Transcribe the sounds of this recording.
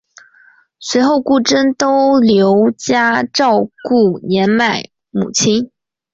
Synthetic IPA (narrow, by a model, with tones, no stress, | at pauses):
swe˧˥ɪxo˥˧ʊku˥˩ʈ͡ʂə˥nt̪o˥ʊljo˧˥ʊt͡ɕja˥ʈ͡ʂɑ˥˧ʊku˥˩njɛ˧˥nma˥˩ɪ | mṵ˨˩t͡ɕʰi˥n